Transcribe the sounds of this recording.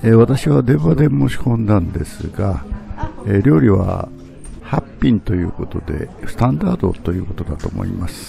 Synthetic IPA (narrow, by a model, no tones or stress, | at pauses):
eβat̪aɕiβad̪e̞βad̪e̞mo̞ɕi̥kõ̞nd̪ãnd̪e̞sɨɡa | eɾʲo̞ːɾʲiβa̰ | hapʲːĩnt̪o̞jɯ̟̰ːko̞t̪o̞d̪e̞̰sɨ̥t̪ãnd̪aːd̪o̞̰t̪o̞jɯ̟ːko̞̥t̪o̞d̪at̪o̞ːmo̞̰ḭmasɨ̥